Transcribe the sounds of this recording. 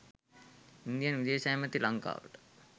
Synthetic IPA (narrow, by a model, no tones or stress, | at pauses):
ind̪ijanʋid̪eːʃajemət̪ilaŋka̰ːʋə̰ʈə̥